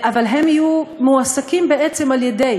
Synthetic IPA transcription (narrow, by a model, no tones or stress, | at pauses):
ʔavalɦe̞mijumuasakimbeʔet͡semaljed̪e̞j